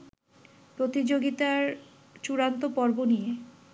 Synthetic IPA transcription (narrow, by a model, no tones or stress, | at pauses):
pɾot̪id͡ʑoɡit̪aɾ | t͡ɕuɾant̪opɔɾbonije